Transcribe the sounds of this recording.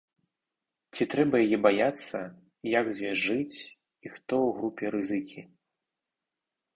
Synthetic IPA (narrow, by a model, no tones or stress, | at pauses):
t͡sʲit̪ɾɛbɐjajɛbajat̪sːɐ | jaɡzʲvʲɛʐɨt͡sʲ | ixt̪ɔwɣɾupʲɛɾɨzɨkʲi